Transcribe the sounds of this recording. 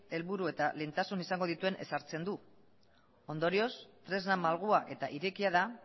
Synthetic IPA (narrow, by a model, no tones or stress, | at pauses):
e̞lβuɾue̞t̪ale̞nt̪asunisaŋɡo̞ðit̪ue̞nʔe̞̰saɾt͡se̞nd̪u | o̞nd̪o̞ɾio̞st̪ɾe̞znamalɣ̞uaʔe̞t̪aʔiɾe̞kiaða